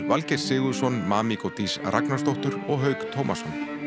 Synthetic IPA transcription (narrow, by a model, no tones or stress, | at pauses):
valcɛɾ̥sɪːɣʏsɔnmaːmikowt̪ʰisrʔa̰knḁst̪owht̪ʏɾɔɣɦœːɥkt̪ʰowmʔa̰sɔn